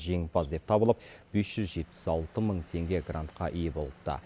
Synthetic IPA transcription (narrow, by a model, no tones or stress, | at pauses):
ʒe̞ŋbɑzd̪e̞p̚t̪ʰɑbəlˠəp̚b̥e̞sʒ̥ʏzʒe̞t̪̚pɪ̥sɑlˠt̪əməɴt̪ʰe̞ŋɡʲe̞ɡra̰nt̪qɑʔijebolˠət̪ːə̰